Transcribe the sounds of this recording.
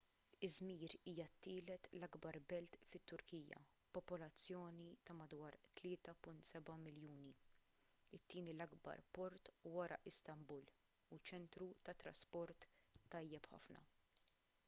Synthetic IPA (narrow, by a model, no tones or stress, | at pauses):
ɪzmiːɾiːjɐt̪ːɪːlɛt̪lɐɡbɐɾbɛlt̪fɪt̪ːʊɾkiːjɐ̰ | pɔpɔlɐt͡sːjɔːnit̪ɐmɐd̪wɐːɾt̪lɪːt̪ɐpʊnt̪sɛbɐmɪljuːni | ɪt̪ːɪːnilɐɡbɐ̰ɾpɔɾt̪wɐɾɐ̰ʔɪst̪ɐmbuːl | ut͡ʃɛnt̪ɾut̪ɐt̪ɾɐ̰spɔɾt̪ːɐjːɛpħɐ̰fnɐ̰